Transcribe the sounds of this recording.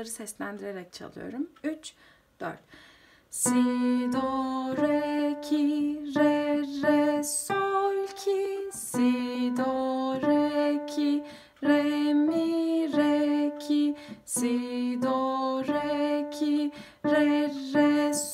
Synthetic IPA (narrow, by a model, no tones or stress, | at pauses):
aɾɯsɛslʲænd̪iɾeɾɛc̚t͡ʃʰa̰lˠɯ̰jo̞̰ɾumyt͡ʃ | d̪̥ø̰ɾt̪ | sid̪oɾɛcʰiɾɛɾɛsɔlʲcʰisid̪oɾɛcʰi | ɾɛmiɾɛcʰisid̪oɾɛcʰi | ɾɛɾɛs